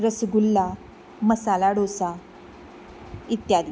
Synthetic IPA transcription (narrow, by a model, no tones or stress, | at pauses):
ɾəsɡulːa | məsalaɽosa | it̪jad̪i